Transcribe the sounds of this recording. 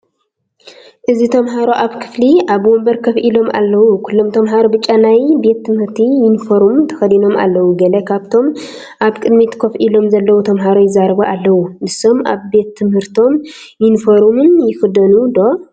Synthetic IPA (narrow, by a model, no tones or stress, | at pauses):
ʔɨzit̪ʰɐmɦaɾoʔaβkʰɨ̥fliʔaβwɔmbɐɾkʰɐfʔilo̞mʔa̰lːɐwukʰulːo̞mt̪ʰɐmɦaɾobɨt͡ʃʼːanajbe̞t̪ʰːɨmhɨɾt̪ʰijɪnfoɾumt̪ʰɐ̥xɐd̪ino̞mʔa̰lːɐwuɡɐlɐkʰaβt̪ʰo̞m | ʔaβkʼɨd̪mit̪kʰɐfʔilo̞mzɐlːɐwut̪ʰɐmɦaɾojɪzːaɾɐβuʔalːɐwunɨsːo̞mʔa̰βbe̞t̪ʰːɨmhɨɾt̪ʰo̞m | jɪnfoɾumɨnjɪfɨd̪ɐnud̪o̞